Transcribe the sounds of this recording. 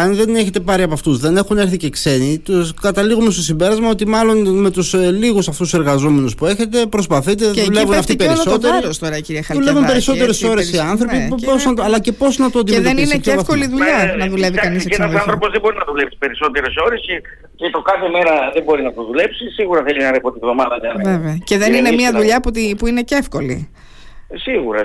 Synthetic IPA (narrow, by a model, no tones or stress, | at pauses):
ɐnðe̞ne̞çe̞t̪e̞pɐɾiɐpɐft̪uzðe̞ne̞xune̞ɾθice̞kse̞nit̪uskɐt̪ɐliɣumest̪o̞simbe̞ɾɐzmɐo̞t̪imɐlo̞nme̞t̪usliɣusɐft̪use̞ɾɣɐzo̞me̞nuspue̞çe̞t̪e̞pɾo̞spɐθit̪eðulevunnɐft̪iipeɾiso̞t̪eɾɾiɾost̪oɾɐciɾiɐxɐðulevunmpeɾiso̞eɾeso̞ɾesiɐnθɾo̞piosnɐtɐlɐcepo̞snɐt̪oot̪ieðenineieɐθkliðuʎɐnɐðule̞vikɐnisesɐðɐ̃nθɾoo̞zðebo̞ɾinɐt̪oulepsi̥pe̞ɾiso̞t̪eɾeso̞ɾese | cet̪okɐθeme̞ɾɐðebo̞ɾinɐt̪oðule̞psisiɣuɾɐθelinɐɾepot̪ivðo̞mɐðɐjɐnveveɐceðe̞ninemiɐðuʎɐput̪ipuinecefko̞lḭ | siɣuɾɐ̰